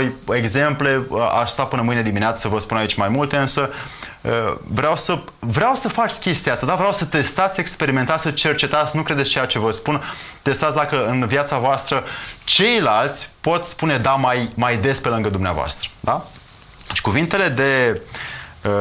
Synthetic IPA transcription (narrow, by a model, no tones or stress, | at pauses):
voje̞ɡze̞mple̞a̰ʃst̪apɨnəmɨjned̪imineat̪sə̥səvəspunait͡ʃʲmajmult̪e̞ɨnsə | ə̰vɾeawsə | vɾeawsəfat͡ʃ̪sʲkʲe̞st̪iast̪ad̪avɾeawsət̪e̞st̪at̪sʲe̞kspe̞ɾiment̪at̪sʲət͡ʃe̞rt͡ʃe̞t̪at̪sʲnukɾed̪est͡ʃejat͡ʃe̞vəspunt̪e̞st̪at̪sʲd̪akəɨnvjat̪savoast̪ɾət͡ʃe̞jlalt̪sʲpo̞t̪sʲspune̞d̪amajmajd̪e̞spe̞lɨŋɡəd̪umnea̰voa̰st̪ɾə̥d̪a | t͡ʃkuvint̪e̞le̞d̪e